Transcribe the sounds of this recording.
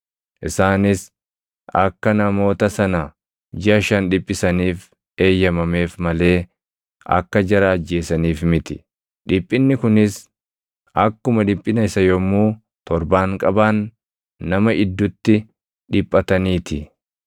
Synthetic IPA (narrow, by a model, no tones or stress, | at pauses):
ʔɪsaːnɪs | ɐkːɐnɐmo̞ːt̪ɐsɐnɐ | d͡ʒɪɐʃɐnᶑɪpʼːɪsɐniːf | e̞ːjːɐmɐme̞ːfmɐle̞ː | ɐ̰kːɐd͡ʒɐɾɐːd͡ʒːe̞ːsɐniːfmɪt̪ɪ | ᶑɪpʼːɪnːɪkʊnɪs | ɐkːʊmɐᶑɪpʼːɪnɐɪsɐjɔmːuː | t̪ɔɾbaːŋkʼɐbaːnː | ɐmɐʔɪd̪ːʊt̪ːɪ | ᶑɪpʼːɐt̪ɐniːt̪ʰɪ